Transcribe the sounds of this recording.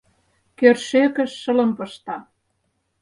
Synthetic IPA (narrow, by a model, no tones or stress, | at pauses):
kørʃekə̆ʃːə̆lə̆mpɤ̆ʃt̪ɑ